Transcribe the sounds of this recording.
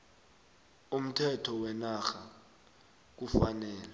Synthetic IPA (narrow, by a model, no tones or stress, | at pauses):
um̩tʰɛtʰɔwɛnaxa | k̬ufanɛːlɛ